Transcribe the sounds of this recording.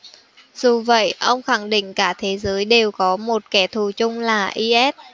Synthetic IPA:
zu˨˩və̰˧˨jʔə˧wŋ͡mxa˧˩ŋɗḭ̈˧˨ŋ̟kaː˧˩t̪ʰe˨˦zəː˨˦jɗe˨˩wkɔ˨˦mo˨˩t̚kɛ˧˩t̪ʰu˨˩t͡ɕʊ˧ŋ͡mlaː˨˩ʔi˧ʔɛ˦˥t̚

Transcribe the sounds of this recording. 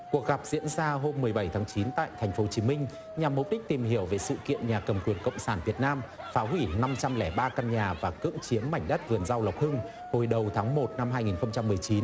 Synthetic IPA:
ku˨˩ək̚ɣa˨˩p̚zḭ˧˥ənzaː˧ɦo˧mːɨ˨˩əjɓə˧˩jt̪ʰaː˨˦ŋt͡ɕi˨˦nt̪a̰ː˧˨jt̪ʰɛ˨˩ŋ̟fo˨˦t͡ɕi˨˦mï˧ŋ̟ | ɲa˨˩mːʊ˨˩p̚ɗi˦˥k̟̚t̪i˨˩mhi˧˩əwve˨˩sɨ̰˧˨kḭ˧˨ənɲaː˨˩kə˨˩mkwi˨˩ənkə̰˧˨wŋ͡msaː˧˩nvi˨˩ət̚naː˧m | faː˨˦ɦwi˧˩na˧mt͡ɕa˧mlɛ˧˩ɓaː˧ka˧nɲaː˨˩vaː˨˩kɨ̰˧˥əŋt͡ɕi˨˦əmːa˧˩jŋ̟ɗə˦˥t̚vɨ˨˩ənza˧wlə˨˩wk͡p̚hɨ˧ŋ | ho˨˩jɗə˨˩wt̪ʰaː˨˦ŋmo˨˩t̚na˧mhɦaː˧jŋi˨˩nxə˧wŋ͡mt͡ɕa˧mːɨ˨˩əjt͡ɕi˨˦n

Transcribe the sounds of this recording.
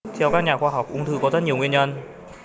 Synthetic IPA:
t̪ʰɛ˧wkaː˥k̚ɲaː˨˩kxwaː˧ɦa˨˩wk͡p̚ʔʊ˧˦ŋ͡mt̪ʰɨ˧kɔ˨˦zə˦˥t̚ɲi˨˩əwŋwi˧ənɲə˧n

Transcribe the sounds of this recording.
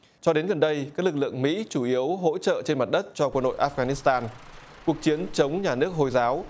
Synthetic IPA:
t͡ɕɔ˧ɗe˨˦nɣə˨˩nɗə˧jkaː˦˥k̚lɨ˨˩k̚lɨ̰˧˨əŋmḭ˧˥t͡ɕu˧˩ʔi˨˦əwɦo̰˧˥t͡ɕə̰ː˧˨t͡ɕe˧nma˨˩t̚ɗə˦˥t̚t͡ɕɔ˧kwə˧nɗo̰˧˨jʔaː˦˧˥fɣa˧ni˦˥st̪aː˧n | ku˨˩ək̚t͡ɕi˨˦ənt͡ɕə˨˦wŋ͡mɲaː˨˩nɨ˦˥ək̚ɦo˨˩jzaː˨˦w

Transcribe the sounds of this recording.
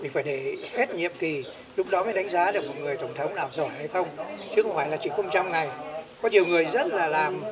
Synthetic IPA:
mï̟˨˩faː˧˩jɗe˧˩he˦˥t̚ɲḭ˧˨əmt̪ʰi˨˩ | lʊ˦˥k͡p̚ɗɔ˨˦maː˨˦jɗa˨˦jŋ̟zaː˨˦ɗe˧˨˩k̚mɔ˨˩ŋɨ˨˩əjt̪ə˧˩wŋ͡mt̪ʰə˨˦wŋ͡mnaː˨˩wzo˧˩jha˧jxə˧wŋ͡mt͡ɕɨ˨˦˥kə˧ŋ͡mfa˧˩jlaː˨˩t͡ɕḭ˧˩ŋxə˧wŋ͡mt͡ɕa˧mŋa˨˩jkɔ˨˦ɲi˨˩əwŋɨ˨˩əjzə˦˥t̚laː˨˩laː˨˩m

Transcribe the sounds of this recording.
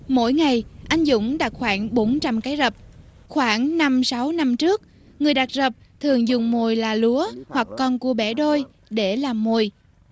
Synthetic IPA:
mo̰˧˥jŋa˨˩jʔa˧jŋ̟zʊ̰˧˥ŋ͡mɗaː˧˩˥k̚xwaː˧˩ŋɓo˨˦nt͡ɕa˧mkaː˨˦jzə˨˩p̚ | xwaː˧˩ŋna˧msa˨˦wna˧mt͡ɕɨ˦˥ək̚ | ŋɨ˨˩əjɗa˨˩t̚zə˨˩p̚t̪ʰɨ˨˩əŋzʊ˨˩ŋ͡mmo˨˩jlaː˨˩lu˨˦əhwa˨˩kːɔ˧nku˧˩əɓɛ˧˩ɗo˧j | ɗe˧˩laː˨˩mːo˨˩j

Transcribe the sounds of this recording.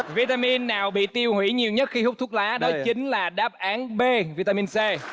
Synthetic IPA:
vi˧t̪aː˧mi˧nːaː˨˩wɓḭ˧˨t̪i˧əwhwḭ˧˩ɲi˨˩əwɲə˦˥t̚xi˧hʊ˦˥k͡p̚t̪u˦˥k̚laː˨˦ɗɔ˨˦˨t͡ɕï˨˦ŋ̟laː˨˩ɗaː˦˥p̚ʔaː˨˦nɓe˧vi˧t̪a˧mi˧nsɛ˧

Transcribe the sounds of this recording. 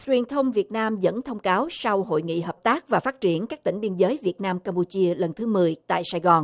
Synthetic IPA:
t͡ɕwi˨˩ənt̪ʰə˧wŋ͡mvi˨˩ət̚naː˧mzə̰˧˥nt̪ʰə˧wŋ͡mkaː˨˦wsa˧wɦo̰˧˨jŋḭ˧˨ɦəː˨˩p̚t̪aː˦˥k̚vaː˨˩faː˦˥t̚t͡ɕi˧˩ənkaː˦˥k̚t̪ï˧˩ŋ̟ɓi˧ənzəː˨˦jvi˨˩ət̚naː˧mkaː˧mpu˧t͡ɕi˧ələ˨˩nt̪ʰɨ˨˦mɨ˨˩əjt̪a̰ː˧˨jsaː˧jɣɔ˨˩n

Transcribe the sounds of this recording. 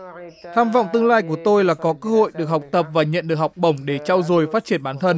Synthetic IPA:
t̪ʰaː˧mva̰˧˨wŋ͡mt̪ɨ˧əŋlaː˧jk̬u˧˩ət̪o˧jlaː˨˩kɔ˨˦kɨː˧˦ho̰˧˨jɗɨ˨ək̚ha˨˩wk͡p̚t̪ə˨˩p̚vaː˨˩ɲə̰˧˨nɗɨ˨˩ək̚ha˨˩wk͡p̚ɓə˧˩wŋ͡mɗe˧˩t͡ɕa˧wzo˨˩jfaː˦˥t̚t͡ɕi˧˩ənɓaː˨˦nt̪ʰə˧n

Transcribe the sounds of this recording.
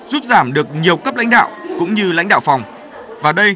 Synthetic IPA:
zuː˦˥p̚zaː˧˩mɗɨ˨˩ək̚ɲi˨˩əwkə˦˥p̚la̰˧˥ŋ̟ɗa̰ː˧˨wkʊ̰˧˥ŋ͡mɲɨ˧la̰˧˥jŋ̟ɗa̰ː˧˨wfɔ˨˩wŋ͡m | vaː˨˩ɗə˧j

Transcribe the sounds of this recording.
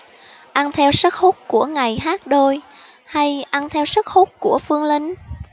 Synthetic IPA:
ʔa˧nt̪ʰɛ˧wsə˦˥t̚ho˦˥t̚ku˧˩əŋa˨˩jɦaː˦˥t̚ɗo˧j | ha˧jʔa˧nt̪ʰɛ˧wsə˦˥k̚ho˦˥t̚ku˧˩əfɨ˧əŋli˧ŋ̟

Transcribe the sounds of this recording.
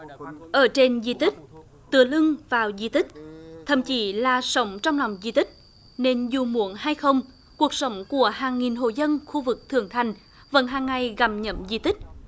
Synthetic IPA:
ʔəː˧˩t͡ɕe˧nzi˧t̪ï˦˥k̟̚ | t̪ɨ˨˧˩əlɨ˧ŋvaː˨˩wzi˧t̪ï˦˥k̟̚t̪ʰə̰˧˨˩mt͡ɕi˧˨˦laː˨˩sə˨˦wŋ͡mt͡ɕɔ˧wŋ͡mla˨˩wŋ͡mzi˧t̪ï˦˥k̚ | ne˧nzu˨˩mu˧˩˦ənhaː˧jxə˧wŋ͡m | ku˨˩ək̚sə˨˦wŋ͡mku˧˩əhaː˨˩ŋːi˨˩nɦo̰˧˨zə˧nxu˧vɨ˨˩k̚t̪ʰɨ˧˩əŋt̪ʰa˨˩jŋ̟ | və̰˧˥nɦaː˨˩ŋːa˨˩jɣa˧˩m̚ɲə̰˧˥mzḭ˧t̪ï˦˥k̟̚

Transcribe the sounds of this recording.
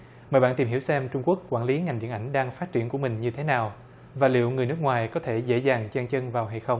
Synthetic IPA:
məː˨˩jɓaː˧nt̪i˨˩mɦi˧˩wsɛ˧mt͡ɕʊ˧ŋ͡mku˦˥əkːwaː˧˩nli˨˦ŋa˨˩jŋ̟ɗḭ˧˨ənʔa˧˩jŋ̟ɗaː˧ŋfaː˦˥t̚t͡ɕi˧˩ənku˧˩əmï˨˩ŋ̟ɲɨ˧t̪ʰe˨˦naː˨˩w | vaː˨˩lḭ˧˨əwŋɨ˨˩əjnɨ˦˥k̚ŋwaː˨˩jkɔ˨˦t̪ʰe˧˩zḛ˧˥zaː˨˩ŋt͡ɕaː˧ŋt͡ɕə˧nvaː˨˩wɦa˧jxə˧wŋ͡m

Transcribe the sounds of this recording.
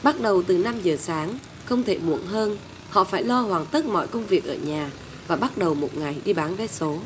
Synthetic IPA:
ɓa˦˥t̚ɗə˨˩wt̪ɨ˨˩na˧mzəː˨˩saː˨˦ŋ | xə˧wŋ͡mt̪ʰe˧˩mṵ˧˩ənɦəː˧n | hɔ̰˧˨faː˧˩jlɔ˧hwaː˨˩nt̪ə˦˥t̚mɔ̰˧˨jkə˧wŋ͡mvi˨˩ək̚ʔəː˧˩ɲaː˨˩ | vaː˨˩ɓa˦˥t̚ɗə˨˩wmo˨˩t̚ŋa˨˩jɗi˧ɓaː˨˦nve˨˦so˨˦

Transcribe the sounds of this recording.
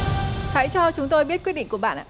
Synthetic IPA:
ha̰ː˧˥jt͡ɕɔ˧t͡ɕʊ˨˦ŋ͡mt̪o˧jɓi˦˥ət̚kwt̚ɗḭ˧˨ŋ̟ku˧˩əɓa̰ː˧˨nʔa̰ː˧˨

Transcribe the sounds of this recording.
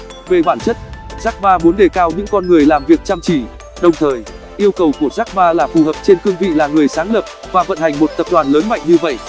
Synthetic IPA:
ve˨˩ɓaː˧˩nt͡ɕə˦˥t̚zaː˦˥k̚ɓaː˧mu˨˦nɗe˨˩kaː˧wɲɨ̰˧˥ŋkɔ˧nŋɨ˨˩əjlaː˨˩mvi˨˩ək̚t͡ɕaː˧mt͡ɕi˧˩ | ɗə˨˩wŋ͡mt̪ʰəː˨˩j | ʔi˧əwkə˨˩wku˧˩əzaː˦˥k̚ɓaː˧laː˨˩fu˨˩həː˨˩p̚t͡ɕe˧nkɨ˧əŋvḭ˧˨laː˨˩ŋɨ˨˩əjsaː˨˦ŋlə˨˩p̚vaː˨˩və̰˧˨nha˨˩ŋ̟mo˨˩t̚t̪ə˨˩p̚ɗwaː˨˩nləː˨˦nma̰˧˨jŋ̟ɲɨ˧və̰˧˨jʔ

